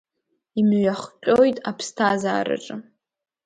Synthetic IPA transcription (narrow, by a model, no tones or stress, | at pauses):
imɥaχqʲʼojtʼapʰstʰaza̰ːɾɨ̰ʈ͡ʂʼɨ